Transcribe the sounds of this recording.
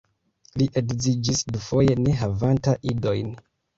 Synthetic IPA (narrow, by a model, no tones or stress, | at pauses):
liʔe̞kzid͡ʒisdufo̞je̞ne̞ɦavantaʔido̞jn